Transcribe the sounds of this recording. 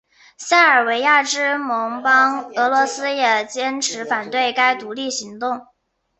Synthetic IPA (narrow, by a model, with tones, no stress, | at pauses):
ɕa˥˩ə˞˨˩we˧˥ɪja˥˩ʈ͡ʂɻ̩˥mɤ˧˥ŋpɑ˥ŋɤ˧˥lwɔ˧˥sɹ̩˥jɛ˨˩t͡ɕjɛ˥nʈ͡ʂʰɻ̩˧˥fa˨˩nt̪we˥˩ɪka˥ɪt̪u˧˥li˥˩ɕi˧˥ŋt̪ʊ˥˩ŋ